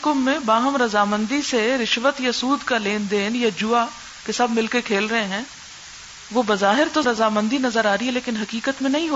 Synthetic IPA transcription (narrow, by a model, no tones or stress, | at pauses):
kʊmːẽbaːɦəmɾɐzaːmə̃nd̪iseɾɪʃʋət̪jasuːd̪kaleːnd̪eːnjad͡ʒʊa | kesɐbʱmɪlkekʰeːlɾɐɦeɦɛ̃ː | ʋobɐzaːɦɪɾt̪oɾɐzaːmə̃nd̪inɐzəɾaːɾiɦɛleːkɪnɦɐkiːkət̪mẽnɐɦĩɦo